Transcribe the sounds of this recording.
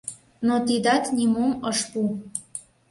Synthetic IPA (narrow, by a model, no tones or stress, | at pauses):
not̪id̪ɑt̪nʲimomɤʃpu